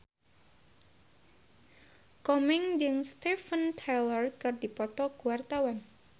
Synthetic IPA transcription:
kɔmɪŋd͡ʒɨŋst̪ifənt̪ʰelərkɨrdipɔt̪ɔɡ̥uwart̪awan

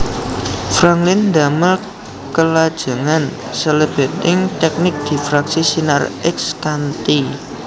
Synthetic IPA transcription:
fɾaŋklɪnd̪a̤məl | kəlad̥ʒ̥a̤ŋansələb̥ɛ̤t̪̚ɪŋt̪ɛk̚nɪk̚d̪̥i̤fɾaksisinarɛkskant̪i

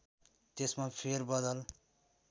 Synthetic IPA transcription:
t̪esmapʰerbʌd̪ʌl

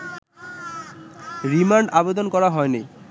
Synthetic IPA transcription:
ɾimaɳɖabed̪onkɔɾaɦɔenej

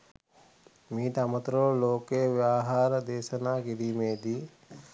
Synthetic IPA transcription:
miːt̪amət̪ɾoloːkeːʋjaːɦaːɾd̪eːsənaːɡiɾiːmeːd̪iː

